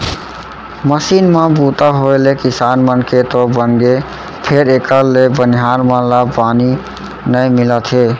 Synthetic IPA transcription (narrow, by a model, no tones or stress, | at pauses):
məsinmabut̪aɦolekisanmənket̪ɔbənɡe | pʰeɾekəlebəniɦaɾmə̃lapani | nəjmilət̪ɦe